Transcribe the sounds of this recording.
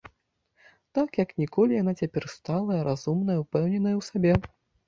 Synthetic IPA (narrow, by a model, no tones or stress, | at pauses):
t̪akjɐknʲikɔlʲijan̪at͡sʲapʲɛrst̪alˠɐjɐɾʔazumnɐjɐwpɛwnʲɛnɐjɐwsabʲɛ